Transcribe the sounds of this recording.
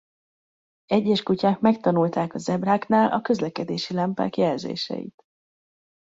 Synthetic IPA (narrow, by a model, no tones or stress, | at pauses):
ɛɟːɛʃkucaːkmɛkt̪ɒnult̪aːkɒzɛbraːknaːlʔɒ̰kø̞zlɛkɛd̪eːʃilɛmpa̰ːkjɛlzḛːʃɛ̰jḭt̪